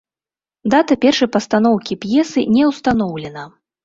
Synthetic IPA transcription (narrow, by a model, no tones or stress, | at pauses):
d̪at̪ɐpʲɛrʂɐjpɐst̪an̪ɔwkʲipjɛsɨnʲɛwst̪anɔwlʲɛnɐ